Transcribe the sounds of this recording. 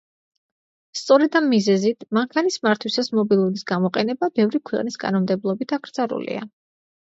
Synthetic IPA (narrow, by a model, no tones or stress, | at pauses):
st̪sʼɔɾɛd̪amːizɛzit̪ʰmaŋkʰanismaɾt̪ʰwisasmɔbilˠuɾisɡamɔqʼɛnɛbabɛvɾikʰwɛqʼniskʼa̰nɔmd̪ɛblˠɔbit̪ʰaɡɾzʼaɾṵlḭa̰